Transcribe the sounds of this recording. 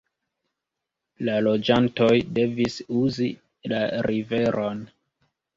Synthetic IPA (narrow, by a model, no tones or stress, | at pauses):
lalo̞d͡ʒanto̞jde̞visuzi | laɾive̞ɾʔo̞n